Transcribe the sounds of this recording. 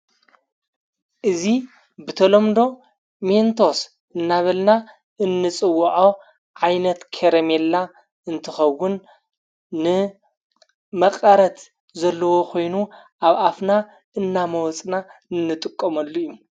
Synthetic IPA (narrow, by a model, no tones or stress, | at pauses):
ʔɨzi | bɨt̪ʰɐlomd̪o̞ | ment̪ʰo̞s | ɨnːaβɐlna | ʔɨnːɨt͡sʼɨwːɐʕaw | ʕajnɐt̪kʰeɾemelːa | ɨnt̪ʰɨxɐwːʊnː | ɨ | mɐqʼɐɾɐt̪ | zɐlːɐwo̞kʰo̞jnuʔaβʔafna | ɨnːamɐwɔt͡sʼnaɨnːɨt̪ʼɨkʼːɐmɐlːujːu